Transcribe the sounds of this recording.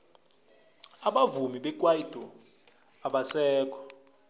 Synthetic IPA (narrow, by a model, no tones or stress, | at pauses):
aɓavumiɓɛk̬ʼwaid̥ʱɔ | aɓasɛːk̬ʰʼɔ̥